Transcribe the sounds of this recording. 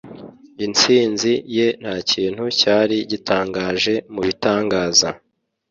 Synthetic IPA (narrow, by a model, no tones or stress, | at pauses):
int͡siːnzije̞n̥haciːnhucaːɾiɟitʰaːŋɡaːʒe̞muβitaːŋɡaːza